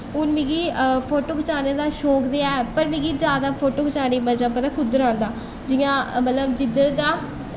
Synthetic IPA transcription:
ʊnmẽːɡiːpʰoːʈoːkət͡ʃaːneːd̪aːʃoːkd̪eːaːɛpəɾmɪ̃ɡiːd͡ʒjaːd̪aːpʰoːʈoːkət͡ʃaːniːməd͡ʒãːpːãt̪aːkʰʊd̪əɾãːnd̪aː | d͡ʒɪjãːmət̪ləbd͡ʒɪd̪əɾd̪aː

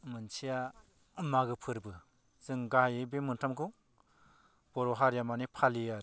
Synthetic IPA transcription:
mɯnt͡ʃʰija | ɯmaɡɯpʰɯɾbɯ | zɯŋɡaɦjibemɯntʰamkʰu | b̥ɔɾɔɦaɾjamanipʰalija

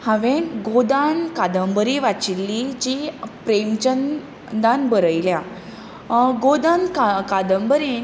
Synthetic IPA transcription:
hãʋenɡod̪ankad̪əmbəɾiʋat͡ɕilːid͡ʑipɾemt͡ɕən | d̪anbəɾəjlja | ɡod̪ankakad̪əmbəɾin

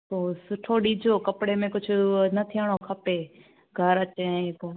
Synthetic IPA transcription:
t̪oːsʊʈʰoɗiːd͡ʑʱoːkɐpɽemẽkʊd͡ʑʱʊ̆nɐt̪ʰiaɽ̃okʰɐpe | ɡʱɐɾɐt͡ɕẽko

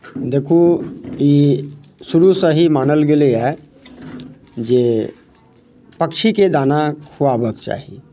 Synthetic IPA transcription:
d̪eːkʰui | sʊɾusəɦimaːnəlɡeleɛ | d͡ʒeː | pəkʃiked̪aːnakʰuabəkt͡ʃa̰ːɦie

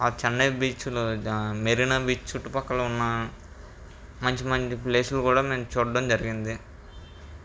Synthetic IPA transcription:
aːt͡ʃɐnːɐjbiːt͡ʃulumeɾinɐbiːt͡ʃt͡ʃuʈːupɐkːɐlɐunːɐ | mɐɲt͡ʃimɐɲt͡ʃiple̞ːsulukuːɽaːme̞ːmt͡ʃuːɽɐɖɐmd͡ʒɐɾiɡind̪i

